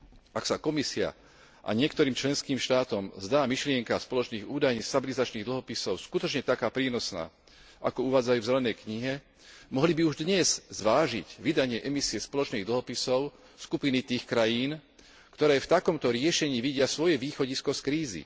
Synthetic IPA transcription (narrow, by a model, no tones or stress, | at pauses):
aksakɔmisia̰ | ʔa̰ɲɪɛkt̪ɔɾiːmt͡ʃlɛnskiːmʃt̪aːt̪ɔmzd̪aːmiʃlɪɛŋkaspɔlɔt͡ʃniːɣuːd̪ajɲist̪abilizat͡ʃniːɣd̪l̩ɦɔpisɔʊskut̪ɔt͡ʃɲɛt̪akaːpɾiːnɔsna̰ː | ʔa̰kɔuʋaːd͡zajuːvzɛlɛnɛjkɲiɦɛ | mɔɦlibiuʒd̪ɲɛz̥zʋaːʒḭɟʋid̪aɲɪɛʔɛmisiɛspɔlɔt͡ʃniːɣd̪l̩ɦɔpisɔʊ | skupinit̪iːxkɾajiːn | kt̪ɔɾɛːft̪akɔmt̪ɔɾɪɛʃɛɲiːʋiɟɪasʋɔjɛʋiːxɔɟiskɔskɾiːzḭ